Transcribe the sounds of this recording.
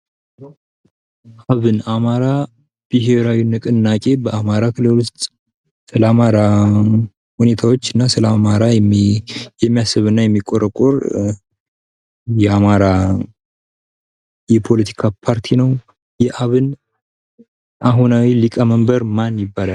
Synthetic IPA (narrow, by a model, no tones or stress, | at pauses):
ʔaβɨnamaɾa | b̥ɨɦe̞ɾawinɨkʼɨnːakʼe̞bəʔamaɾakʰɨlɨlust̪ʼ | sɨləamaɾa | hune̞t̪ʰawot͡ʃːɨnːasɨləamaɾajɛmijɛmːijasːɨβɨnːajɛmːikʼoɾəkʼoɾ | jɛamaɾa | jɛpʰo̞lət̪ʰi̥kʰapʰaɾt̪ʰinəw | jɛʔaβɨn | ʔaɦunawilikʼaməmbəɾmanjɪbːalal